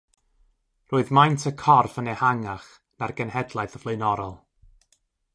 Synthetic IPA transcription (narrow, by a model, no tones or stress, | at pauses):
rʊːɨðmajntʰəkʰɔrfənehaŋaχ | narɡ̥ənhɛdlˠaɨθəvleɨnɔɾɔlˠ